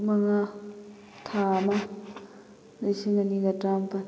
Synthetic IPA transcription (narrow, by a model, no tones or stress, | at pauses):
maŋa | t̪ʰama | lesimaniɡatampa